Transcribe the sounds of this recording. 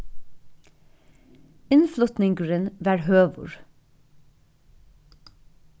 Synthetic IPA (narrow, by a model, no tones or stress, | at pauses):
ɪnflʉt̪nɪŋɡəɹənʋæːɹhøːʋʊ̰ɹ